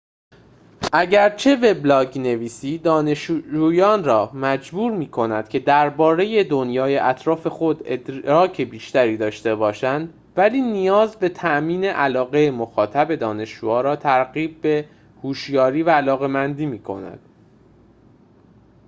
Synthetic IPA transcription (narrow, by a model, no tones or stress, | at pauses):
ʔæɟæɾt͡ʃʰe̞ve̞blɒːɟne̞viːsiːd̪ɒːneʃd͡ʒuːjɒːnrɒːmæd͡ʒbuːɾmiːkʰo̞næd̪̥cʰe̞d̪æɾbɒːɾe̞je̞d̪onjɒːje̞ʔæt̪ʰɾɒːfe̞xo̞d̪ed̪ɒːcʰe̞biːʃt̪æɾiːd̪ɒːʃt̪e̞bɒːʃænd̪ | væliːnijɒːzbe̞t̪ʰæʔmiːne̞ʔælɒːɣe̞mo̞xɒːt̪ʰæbe̞d̪ɒːne̞ʃd͡ʒṵːɒːɾɒːt̪ʰæɾɣiːb̚ːe̞ | huːʃjɒːɾiːvæːlɒːɣe̞mænd̪iːmiːkʰo̞̰næ̰d̪̥